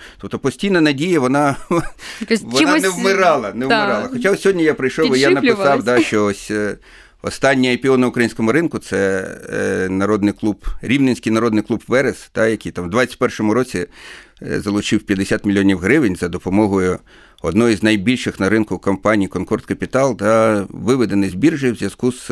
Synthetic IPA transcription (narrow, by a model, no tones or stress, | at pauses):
t̪ɔp̚t̪ɔpɔsʲtʲijnɐnɐdʲijɐʋɔnɑ | ʋɔnnɛwmɪɾɑlˠɐnɛwmɪɾɑlˠɐxɔt͡ʃasʲɔɦɔdʲnʲijapɾɪjʃɔʋijanɐpɪɑwd̪ɑʃt͡ʃɔɔsʲ | ɔ̰st̪ɑnʲːiepʲiɔnɐʊkɾɐinʲsʲkɔmʊɾɪnkʊt̪sɛ | nɐɾɔd̪nɪklˠubɾʲiwnenʲsʲkɪjnɐɾɔd̪nɪjklˠubʋɛɾesd̪̥ɑjɐkʲijt̪ɑmd̪ʋat͡sʲɐ̥tʲpɛrʃɔmʊɾɔt͡sʲi | zɐlˠʊt͡ʃɪwpʲjɐd̪esʲat̪mʲɪlʲijɔnʲiwɦɾɪʋɪnʲzɐd̪ɔpɔmɔɦɔjʊ | ɔd̪nɔjiznɐjbʲilʲʃɪxnɐɾɪnkʊkɔmpɑnʲijkɔnkɔrst̪kɐpʲit̪ɑlˠd̪ɑʋɪʋɪd̪enɪzʲbʲirʒɪjwzʲjɐz̥kuz̥